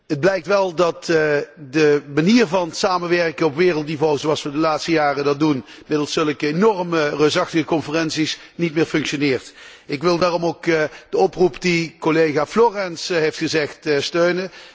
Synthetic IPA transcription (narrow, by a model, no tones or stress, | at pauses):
əd̚blɛjk̚tʋɛlˠdɑtdəmaniːrvɑnsaːmənʋɛɹkəɔpʋɪːrəlˠt̚divɔlˠəzsəɑsʋədəlaːtstəjaːrədɑtdun | mɪdəlˠsɵləkəenɔrmərøsɑxtəɣəkɔnfərɛnsis | nitmɪːɹfɵŋkʃonɪːɹtɪkʋɪlˠdaːrɔmowkd̥əɔprupdikolejɣaːfloːrɛnsɦejftχəzɛxtstøɥnə